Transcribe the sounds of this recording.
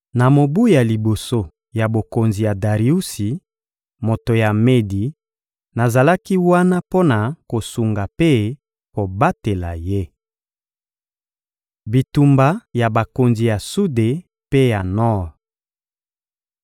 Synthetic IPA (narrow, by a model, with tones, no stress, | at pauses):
na˨mo˨bu˦ja˨li˨bo˨so˦ | ja˨bo˨ko˨nzi˨ja˨da˨ʁi˨u˦si˨ | mo˨to˨ja˨me˦di˨ | na˨za˨la˦ki˦wa˦na˦po˦na˨ko˨su˨ŋɡa˨pe˦ | ko˨ba˦te˨la̰˨je˦ | bi˨tu˨mba˨ja˨ba˨ko˨nzi˨ja˨su˦de˨ | pe˦ja˨nɔ˦ʁ